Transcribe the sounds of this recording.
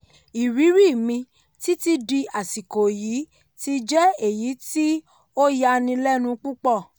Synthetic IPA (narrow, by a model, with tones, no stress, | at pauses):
i˨ɾi˨˦ɾi˦˨mĩ˧ | ti˦ti˧di˧a˨si˨ko˨ji˨˦ | ti˧˦d͡ʒɛ˦e˦˨ji˨˦ti˦ | o˦ja˧nĩ˧lɛ˦nũ˧k͡pu˦k͡pɔ˦˨